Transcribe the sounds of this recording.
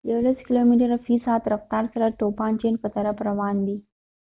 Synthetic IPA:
jəɭəskilomiʈəɾfiːsaːt̪ɾəft̪aɾsəɾəɾt̪opant͡ɕenkət̪əɾəpɾəʋand̪i

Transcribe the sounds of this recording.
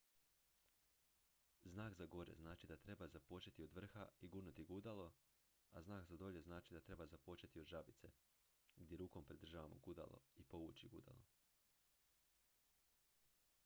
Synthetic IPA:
znaːkzaɡo̞ɾḛznaːt͡ʃid̪at̪ɾe̞bazapo̞t͡ʃe̞t̪io̞d̪ʋr̩xaiɡuːnut̪iɡud̪alˠo̞ | aznaːkzad̪o̞ʎe̞znaːt͡ʃid̪at̪ɾe̞bazapot͡ʃe̞t̪iod̪ʒabit̪se̞ | ɡd̪ʲje̞ɾuːko̞mpɾid̪r̩ʒaːʋamoɡud̪a̰lˠo̰ipo̞ʋut͡ʃiɡud̪a̰lˠo̰

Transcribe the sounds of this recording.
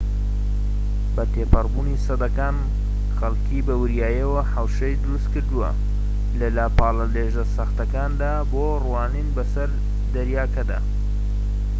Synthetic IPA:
bɐt̪eːpɐrbunisɐd̪ɐkaːn | xɐlkʰibɐwɨɾjaːjɐwɐħawʃɐjd̪ɨɾust̪kɨɾd̪uwɐ̰ | lɐlaːpaːlɐleːʒɐsɐxt̪ɐkaːnd̪aːboːrwaːninbɐsɐɾ | d̪ɐɾjaːkɐd̪a̰ː

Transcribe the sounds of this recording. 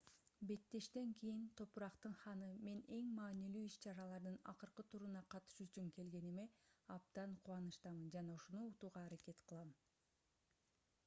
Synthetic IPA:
be̞t̪ːe̞ʃt̪e̞ŋkʰijint̪ʰo̞puɾɑqt̪ɯnχɑnɯme̞ne̞ŋmɑːnilyːiʃt͡ʃɑɾɑlˠɑɾd̪ɯnɑ̰qɯɾqɯt̪ʰuɾunɑqʰɑt̪ɯ̥ʃyt͡ʃyŋke̞lɡe̞nime̞ɑp̚d̪ɑɴqʰuwɑnɯʃt̪ɑmɯnd͡ʒɑnɑuʃunuːt̪uːʁɑːɾake̞t̪qʰɯlˠɑm

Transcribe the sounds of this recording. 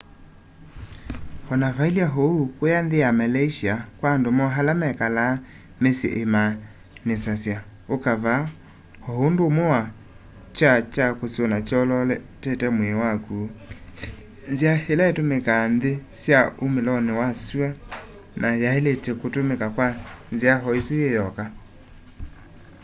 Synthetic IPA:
hɔnavailiaɦoukojanðejamalaiʃiakwandomɔɦalamɛkala | mesḛʔema | nesasja | okava | hohondomoa | t͡ʃat͡ʃakosionat͡ʃɔlɔlɛtɛtɛmwewaku | nzjahelaetomekanðesjaomelɔnewasua | nʔajaeletekotomekakwanziaɦɔisijejɔka

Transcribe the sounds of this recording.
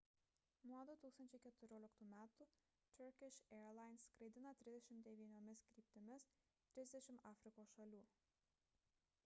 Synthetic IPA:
nuɔd̪uːt̪uːkst̪ɐnʲt͡ʃʲɛɪkʲɛt̪ʊɾʲoːlʲɪkt̪uːmʲæːt̪u | t̪ʲʊɾkʲɪʃɛːɾlˠɑˑɪnskɾɐɪd̪ʲɪnɐt̪ʲɾʲɪzd̪ʲɛʃʲɪmt̪d̪ʲɛʋʲiːnʲoːmʲɪskɾʲiːp̚ʲt̪ʲɪmʲɪs | t̪ʲɾʲɪzʲd̪ʲɛʃʲɪmɑːfʲɾʲɪkoːsʃɐlʲuː

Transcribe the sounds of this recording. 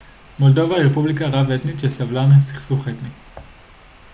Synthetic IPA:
mold̪ovaʁepublikaʁavet̪niʃesavlanesi̥χsuχet̪ni

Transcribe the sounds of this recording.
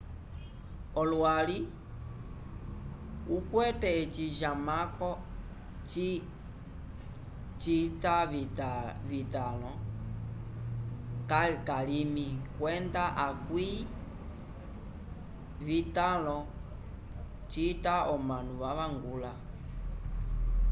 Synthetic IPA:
ɔlwali | ukwɛtɛːt͡ʃiʒamakɔ | t͡ʃi | t͡ʃitaitvitalɔ | kakalimikwɛndaʔakwi | vitalɔ | t͡ʃitaʔɔmanuβaβaŋɡula

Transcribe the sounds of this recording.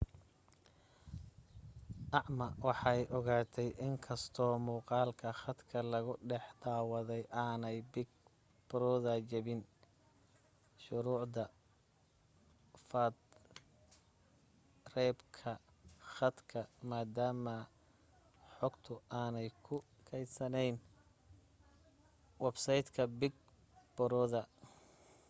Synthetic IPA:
ʔɑʕmɐwɑħɑjʔɔɣaːt̪ʰɛjʔɪŋkʰɐst̪ʰɔːmuːqɑːlkʰɐχɐd̪kʰɐlɐɣʊɖɛħd̪aːwɐðɛjʔaːnɛjbɪɡ̚ | pɾɔːðaːt͡ʃɐβɪn | ʃʊɾuːʕd̪ɐ | fɐd̪ | rɛːbkʰɐ | xɐd̪kʰɐmaːd̪aːmɐ | ħɔɡt̪ʰʊaːnɛjkʰʊ | kʰɛj̪sɐnɛjn | wɛbsɐjd̪kʰɐbɪɡ̚ | b̥ɔɾɔːðɐ

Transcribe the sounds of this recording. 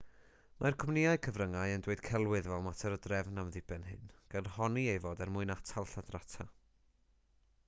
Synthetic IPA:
markʰɔmnɪaɨkʰəvrəŋajəndweɨd̥kʰɛlˠwɨðvɛlˠmatʰɛɾɔdrɛvnamðɪbɛnhɨnɡ̥anhɔniejvoːdɛrmʊɨnatʰalˠɬadratʰa

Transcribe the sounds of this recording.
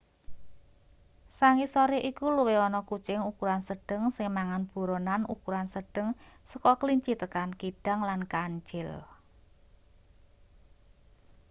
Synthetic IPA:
saŋisɔɾeʔikuluweɔnɔkut͡ʃɪŋukuɾansəɖ̥ə̤ŋsɪŋmaŋanb̥ṳɾonanṵkuɾansəɖ̥əŋsəkɔkliɲt͡ʃit̪əkankiɖ̥a̤ŋlankaɲt͡ʃɪl

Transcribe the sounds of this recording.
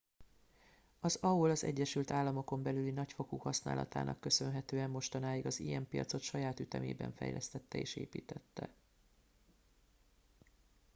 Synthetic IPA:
ɒzɒulɒzɛ̰ɟːɛʃylt̪aːlːɒmo̞ko̞mbɛlylinɒcfo̞kuːhɒsna̰ːlɒ̰t̪a̰ːnʔɒkːø̞sø̞nɦɛt̪øːɛmːo̞ʃt̪ɒnaːjiɡɒzijɛmpijɒ̰t̪so̞t̪ʃɒjaːt̪yt̪ɛmḛːbɛ̰ɱfɛ̰jlʔɛst̪ɛt̪ːɛeːʃeːpiːt̪ɛt̪ːɛ̰

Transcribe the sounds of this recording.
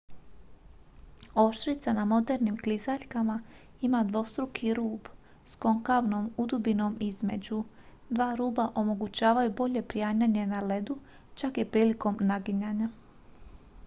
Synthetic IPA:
o̞ʃt̪ɾit̪sanamo̞d̪e̞ɾnimklizaʎkama | imad̪ʋo̞st̪ɾukʰiɾuːb | sko̞ŋkaʋno̞mud̪ubino̞mizme̞d͡ʑu | d̪ʋaːɾuːbaʔo̞mo̞ɡut͡ɕaːʋajubo̞ʎe̞pɾiaːɲaɲe̞nale̞d̪u | t͡ʃakipɾiːliko̞mnaɡiɲaɲa

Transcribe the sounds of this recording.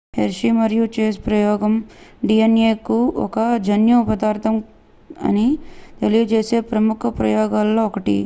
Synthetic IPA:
heɾʂimɐɾjut͡ʃeːspɾɐjɔːɡɐmɖiːɐneːkuɔ̰kɐd͡ʒɐnjupɐd̪aːɾt̪ʰɐm | ɐ̰nit̪e̞lijɐt͡ʃeːse̞ːpɾɐmukʰɐpɾɐjɔːɡaːlːoːkɐʈḭ

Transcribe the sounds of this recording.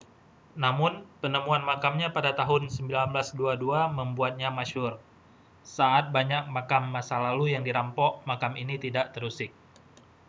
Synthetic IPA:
namʊnpənəmuanmakamɲapadat̪aɦʊnsəmbilanblasduaduaməmbuat̪̚ɲamaʃʊr | saʔat̪̚baɲak̚makamːasalalujaŋdiɾampɔʔmakaminit̪idaʔt̪əɾusɪk̚

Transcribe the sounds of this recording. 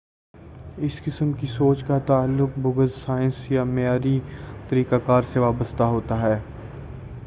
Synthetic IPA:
ɪskɪsəmkisoːt͡ʃkat̪aːlːʊk̚bʊɡəzsaːɪnsjamejaːɾit̪ɐɾiːkakaːɾseʋaːbəst̪aɦoːt̪aɦɛː

